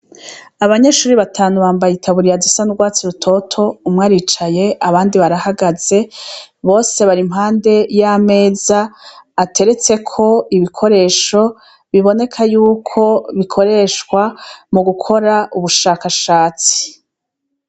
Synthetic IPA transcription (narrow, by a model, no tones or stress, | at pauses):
aβaɲe̞ʃuːɾiβatʰaːnuβaːmbajitʰaβuɾijazisanuɡwaːt͡siɾutʰo̞tʰo̞umŋaːɾit͡ʃaje̞ʔaβaːndiβaɾahaɡaz̥e̞βo̞ːse̞βaɾimɦaːnde̞jame̞ːzaːtʰe̞ɾe̞t͡se̞kʰo̞iβikʰo̞ɾe̞ːʃo̞ | βiβo̞ne̞kʰajuːkʰo̞βikʰo̞ɾe̞ʃkwamuɡukʰo̞ɾaʔuβuʃaːkaʃaːt͡si̥